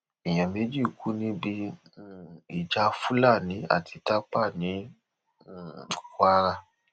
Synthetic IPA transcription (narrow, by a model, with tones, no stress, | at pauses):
i˨j̃ã˨mẽ˨˦d͡ʒi˦˨ku˨˦nĩ˧˦bi˧˦˨ | i˨d͡ʒa˧fu˦la˦˨nĩ˨˦a̰˦˨tʰi˧ta˦k͡pa˦˨nĩ˨˦˨ | ka˦ɾa˧